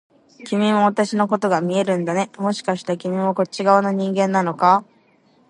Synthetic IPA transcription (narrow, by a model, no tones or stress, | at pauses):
kʲimʲimo̞β̞at̪aɕino̞ko̞t̪o̞ɡamʲie̞ɾɯ̟̃nd̪ane̞mo̞ɕi̥kaɕi̥t̪ekʲimʲimo̞ko̞t͡ɕːiɡaanaɲ̟ĩŋɡẽ̞nːano̞ka